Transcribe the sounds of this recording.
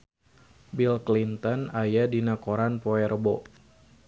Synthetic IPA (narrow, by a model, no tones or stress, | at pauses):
bilklint̪ɔnajadinakoɾanpoɛrbɔ